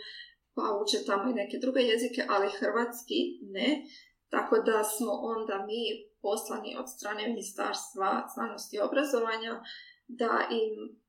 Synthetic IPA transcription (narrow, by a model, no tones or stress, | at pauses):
pauːt͡ʃet̪amo̞ine̞ke̞d̪ɾuɡe̞je̞zike̞ʔalixr̩ʋat̪skine | t̪a̰ko̞d̪asmo̞ʔo̞nd̪amiːpo̞slanḭʔo̞̰d̪st̪ɾaːne̞minist̪a̰ːɾst̪ʋazna̰ːno̞st̪io̞bɾazo̞ʋaɲad̪a̰ʔim